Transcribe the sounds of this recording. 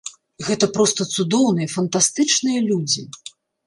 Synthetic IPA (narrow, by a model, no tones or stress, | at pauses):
ɣɛt̪ɐpɾɔst̪ɐt̪sud̪ɔwnɨjɐfɐnt̪ast̪ɨt͡ʂnɨjɐlʲud͡zʲi